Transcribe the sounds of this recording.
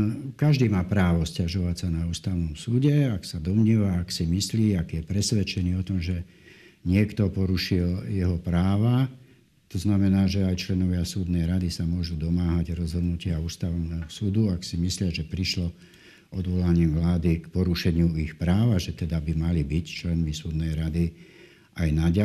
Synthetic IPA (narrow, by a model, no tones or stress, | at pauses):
kaʒd̪iːmaːpɾaːʋɔscaʒɔʋacsanauːst̪aʊnɔmsuːɟɛaksad̪ɔmɲɛːʋaːksimisliːakjɛpɾɛsʋɛt͡ʃɛniːɔt̪ɔmʒɛ | ɲɪɛkt̪ɔpɔɾuʃiljɛɦɔpɾaːʋa | t̪ɔznamɛnaːʒɛajt͡ʃlɛnɔʋɪasuːd̪nɛjɾad̪isamʊɔʒuːd̪ɔmaːɦaɟɾɔzɦɔd̪nucɪauːst̪aʋnɛːɦɔsuːd̪uaksimislɪaʒɛpɾiʃlɔ | ɔd̪ʋɔlaɲiːʋlaːd̪ikpɔɾuʃɛɲɪuixpɾaːʋaʒɛt̪ɛd̪abimalibict͡ʃlɛnmisuːd̪nɛjɾad̪i | ʔajnaɟa